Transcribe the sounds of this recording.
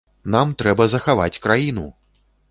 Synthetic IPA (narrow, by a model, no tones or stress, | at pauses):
namt̪ɾɛbɐzɐxava̰t͡sʲkɾajinu